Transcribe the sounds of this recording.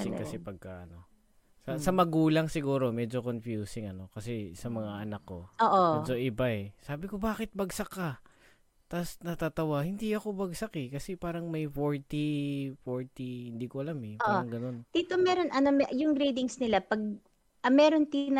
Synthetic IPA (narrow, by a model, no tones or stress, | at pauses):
ɪŋkɐsɛpɐɡ̚kɐʔɐno̞ | sɐsɐmɐɡuːlɐŋsɪɡuːɾo̞mɛd͡ʒo̞konfjuːsɪŋɐno̞kɐsɛsɐmɐŋaʔɐnɐkːo̞̰oːʔomɛd͡ʒo̞ʔɪbaʔɛsaːbɪko̞baːkɪt̪̚bɐɡsɐkːa | t̪asnɐt̪aːt̪ɐwahɪnd̪iʔɐko̞bɐɡsɐkɛkɐsɛpaːɾɐŋmɐjfoɹt̪ifoɹt̪ihɪnd̪iːkoʔɐlamɛpːaɾɐŋɡɐno̞nd̪̥iːt̪omɛɾonʔɐnomɛjʊŋɡɾijd̪ɪŋsnɪlapɐɡ̚ | ɐmɛːɾont̪inɐ